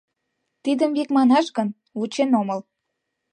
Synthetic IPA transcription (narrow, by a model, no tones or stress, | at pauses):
t̪id̪əmbikmɑnɑʃɣən | ut͡ɕenoməl